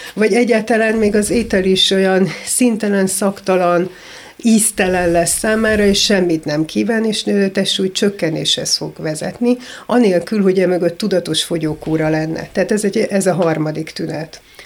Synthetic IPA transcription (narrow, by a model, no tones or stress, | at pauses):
vɒɟɛɟːaːt̪ɒlaːnmeːɡɒzeːt̪ɛliʃo̞jɒnsint̪ɛlɛnsɒkt̪ɒlɒn | iːst̪ɛlɛnlɛsːaːmaːɾɒeːʃʃɛmːit̪nɛmkʰiːvaːneːʃøt̪ɛʃuːjt͡ʃøkːɛnḛːʃhɛ̰sfo̞ɡvɛzɛ̰t̪niɒneːlkylɦo̞ɟɛmø̞ɡø̞t̪ːud̪ɒt̪o̞ʃfo̞ɟoːkuːɾɒlɛnːɛ̰t̪ɛat̪ɛzɛɟɛzɒɦɒrmɒd̪ikt̪ynɛt̪